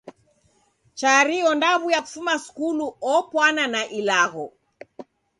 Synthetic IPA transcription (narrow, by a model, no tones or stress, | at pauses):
t͡ʃaɾiɔndaβujaku̥fumasu̥kuluɔpwananaʔilaɣɔ